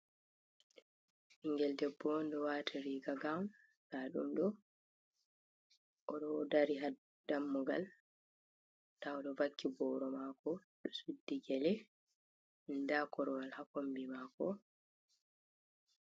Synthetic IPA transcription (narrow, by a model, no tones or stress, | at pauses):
ʔiŋɡɛldɛbːɔndɔwatʰiɾiɡaɡawn | daɗṵmɗɔ | ʔɔɗɔdaɾiɦa | damːuɡa̰l | dawɗɔvakːibɔːɾɔmakɔ | ɗɔsudːiɡɛlɛ | ndakɔɾɔwalhakombimakɔ